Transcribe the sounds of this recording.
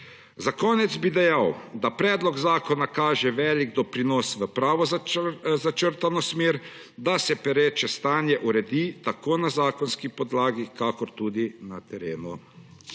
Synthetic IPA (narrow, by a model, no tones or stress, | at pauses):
zakɔːnɛd̪zbid̪ɛjawd̪apɾɛːd̪lɔɡzaːkɔnakaːʒɛʋɛːliɡd̪ɔpɾinɔːsʋəpɾaːʋɔ | zat͡ʃəɾt̪anɔsmeːɾ | d̪asɛpɛɾɛːt͡ʃɛst̪aːnjɛʔuɾɛd̪it̪akoːnazaːkɔnskipɔd̪laːɡikakɔɾt̪ud̪inat̪ɛɾeːnu